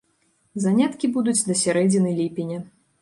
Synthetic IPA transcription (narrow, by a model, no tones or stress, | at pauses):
zanʲat̪kʲibud̪ut͡sʲd̪ɐsʲaɾɛd͡zʲinɨlʲipʲinʲɐ